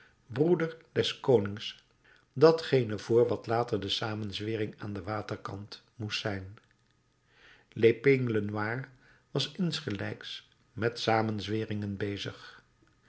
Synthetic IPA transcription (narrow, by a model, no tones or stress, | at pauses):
brudəɹdɛskownɪŋs | dɑtχejnəvʊːɹʋɑtlaːtəɹdəsaːmənzʋɪːrɪŋaːndəʋaːtəɹkɑnt | mustsɛjn | lepɪŋlənaːɹ | ʋɑsɪnsχəlɛ̰jks | mɛtsaːmənzʋɪːrɪŋənbejzəχ